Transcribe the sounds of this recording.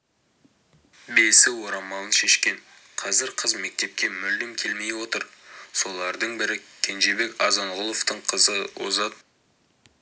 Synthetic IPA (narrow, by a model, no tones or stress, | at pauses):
besɪwo̞ɾɑmɑlˠənʃe̞ʃkʲe̞n | qʰɑzɪɾqʰəzme̞k̚t̪e̞p̚kʲe̞mʏld̪ɪmkʲʰe̞lme̞jwo̞t̪əɾso̞lˠɑɾd̪əɴbɪɾɪkʲʰe̞nʒe̞be̞kɑzɑɴʁʊlˠoft̪əɴqʰəzəwo̰zɑt̪̚